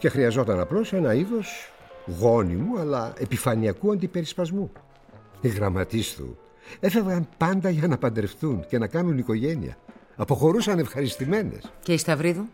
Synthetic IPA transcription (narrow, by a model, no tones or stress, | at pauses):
ce̞xɾiɐzo̞t̪ɐnɐplo̞se̞nɐiðo̞s | ɣo̞nḭmuɐlɐe̞pifɐniɐkuɐnd̪ipe̞ɾispɐzmu | iɣɾɐmɐt̪ist̪ṵ | e̞fe̞vɣɐnpɐnd̪ɐʝɐnɐpɐnd̪ɾe̞fθunce̞nɐkɐnuniko̞ʝe̞nḭɐ̰ | ɐpo̞xo̞ɾusɐne̞fxɐɾist̪ime̞ne̞̰sceist̪ɐvɾiðu